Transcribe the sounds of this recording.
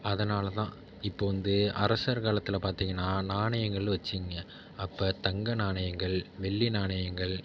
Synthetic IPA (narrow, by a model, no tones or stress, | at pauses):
ɐðɐnaːlɐt̪ãː | ɪpːoːʋɐnd̪ɯɐɾɐsɐɾkaːlɐt̪ːɪlɐpaːɾt̪iːŋɡɐnːaːnaːɳɐjɐŋɡɐɭɯʋɐt͡ʃːɪŋɡɐ | ɐpːɐːt̪ɐŋɡɐnaːɳɐjɐŋɡɐɭʋɛɭːinaːɳɐjɐŋɡɐɭ